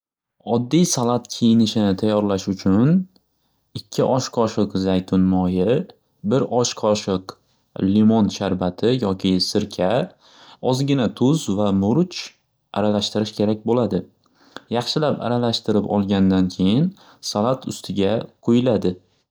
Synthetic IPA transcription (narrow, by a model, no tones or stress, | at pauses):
ɒd̪ːijsalˠat̪kʲʰejɪnɪʃɪnɪt̪ʰajːɒɾlaʃʊt͡ʃʰʊn | ɪkʲʰːɪʔɒʃqʰɒʃɪqzajt̪ʰʊnmɒjɪ | bɪɾʔɒʃqʰɒʃɪq | limɒnʃaɾbat̪ʰɪjɒkʲʰɪsɪɾkʲʰa | ɒzɡʲɪnat̪ʰʊzvamʊɾt͡ʃ | aɾalaʃt̪ɪɾɪʃkʲʰe̞ɾak̚ʲbolad̪ɪ | jɑχʃɪlapa̰ɾalaʃt̪ɪɾɪpɒ̰lˠɡʲand̪ankʲʰe̞jɪn | salˠat̪ʰʊst̪ʰɪɡʲaqʰojɪlad̪ɪ